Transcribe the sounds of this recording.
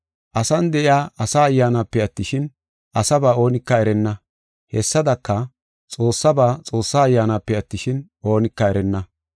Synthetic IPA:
ʔɐsɐnd̪ɛʔɪjaːʔɐsaːjːaːnapːɛɐt̪ːɪʃɪn | ʔɐsɐbaːo̞ːnɪkːɐɛɾɛnːɐ | hɛsːɐd̪ɐkːɐ | t͡sʼo̞ːsːɐbaːt͡sʼo̞ːsːaːjːaːnaːpːɛɐt̪ːɪʃɪn | o̞ːnɪkːɐɛɾɛnːɐ

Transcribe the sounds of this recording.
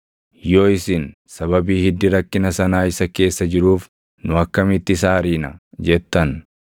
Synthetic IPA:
joːɪsɪn | sɐβɐbiːhɪd̪ːɪɾɐkːɪnɐsɐnaːɪsɐke̞ːsːɐd͡ʒɪɾuːf | nʊɐkːɐmɪt̪ːɪsaːɾiːnɐ̰d͡ʒɛt̪ːɐn

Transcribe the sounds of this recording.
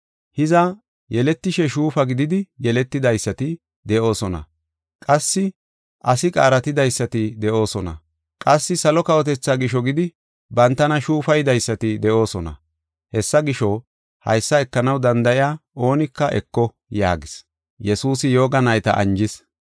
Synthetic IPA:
hɪzɐ | jɛlɛt̪ːɪʃɛʃuːfɐɡɪd̪ɪd̪ɪjɛlɛt̪ːɪd̪ɐjsːɐt̪ɪ | d̪ɛʔo̞ːsɔnɐ̰ | kʼɐsːɪ | ʔɐsɪkʼa̰ːɾɐt̪ɪd̪ɐjsːɐt̪ɪd̪ɛʔo̞ːsɔnɐ̰ | kʼɐsːɪsɐlɔkɐwɔt̪ɛt͡sːaːɡɪʃɔɡɪd̪ɪ | bɐnt̪ːɐnɐʃuːfɐjd̪ɐjsːɐt̪ɪd̪ɛʔo̞ːsɔnɐ̰ | hɛsːɐɡɪʃɔ | hɐ̰jsːɐɛkːɐnɐwd̪ɐnd̪ɐʔɪjaːʔo̞ːnɪkːɐʔɛ̰kːɔ | ja̰ːɡɪs | jɛsuːsɪjo̞ːɡɐnɐjt̪ɐ̰ʔɐ̰nd͡ʒɪs

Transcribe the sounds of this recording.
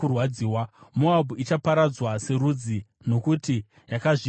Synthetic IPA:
urwad͡ziːwamuabʱuit͡ʃapaɾad͡zwase̞ɾud͡zi | no̞kuti | jakaʐi

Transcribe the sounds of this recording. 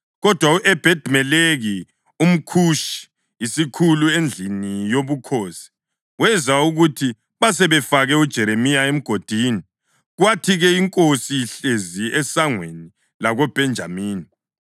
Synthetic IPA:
ɣɔd̥ʱwaʔɛb̥ʱɛd̥ʱmɛleɣi | um̩kʰuʃi̥ | isikʰuluend͡ɮʱinijoβukʰoːsi̥ | wɛzauɣutʰi | βas̬ɛβɛfaɣɛud̥ʒ̥ʱɛɾemijaem̩ɡ̥ʱod̥ʱiːni | ɣwatʰiɣɛiŋkʼosiɬeziɛsaŋweni | laɣob̥ʱɛnd͡ʒʱa̰miːni

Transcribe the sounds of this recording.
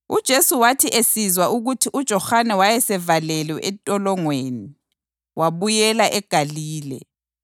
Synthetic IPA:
ud̥ʒ̥ʱesuwatʰiʔesizwaʔuɣutʰiʔud̥ʒ̥ʱɔxanɛwajɛsɛvalɛlwɛʔɛtʼɔlɔŋweni | waβujɛlaʔɛɡ̥ʱaliːlɛ̰

